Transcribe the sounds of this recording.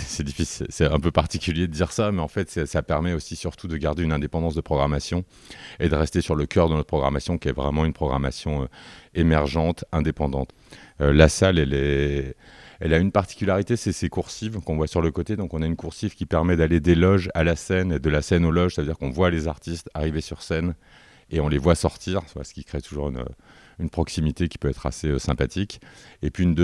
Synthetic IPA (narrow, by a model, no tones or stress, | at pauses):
sɛd̪ifisilsɛɛ̃pøpaʁt̪ikʲyljed̪əd̪iʁsamɛɑ̃fɛt̪sɛsapɛʁmɛosisyʁt̪ʰud̪əɡaʁd̪eynɛ̃d̪epɑ̃d̪ɑ̃sd̪əpχɔɡʁamasjɔ̃ | ed̪əʁɛst̪esyʁləkʲœʁd̪ənɔt̪̚pχɔɡʁamasjɔ̃kʲiɛvʁɛmɑ̃ynpχɔɡʁama̰sjɔ̃øemɛʁʒɑ̃t̪ɛ̃d̪epɑ̃d̪ɑ̃t̪ | ølasalɛlɛ | ɛlaynpaʁt̪i̥kʲylaʁit̪esɛsekuʁsivkɔ̃vwasyʁləkot̪ed̪ɔ̃kɔ̃naynkuʁsivkʲipɛʁmɛd̪aled̪elɔʒa̰lasɛned̪əlasɛnolɔʒsavəd̪iʁkɔ̃vwalezaʁt̪ist̪aʁivesyʁsɛn | eɔ̃levwasɔʁt̪ʰiʁswa̰sə̥kʲikχet̪uʒuʁynø̰ | ynpχɔksimit̪ekʲi̥pøɛt̪χa̰seøsɛ̃pat̪ʰikʲepɥiːnd̪